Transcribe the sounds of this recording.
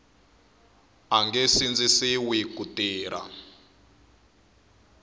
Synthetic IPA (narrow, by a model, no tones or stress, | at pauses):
aŋɡɛsind͡zisiwikutiːɾʔa̰